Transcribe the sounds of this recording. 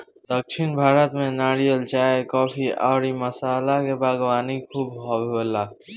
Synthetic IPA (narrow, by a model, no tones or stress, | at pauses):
d̪əkʃʰɪnbʱaːɾət̪mẽnaːɾijəlt͡ʃaːekɔːpʰiaːɾiməsaːlakebaːɡwaːnikʰuːbɦɔbɦolaː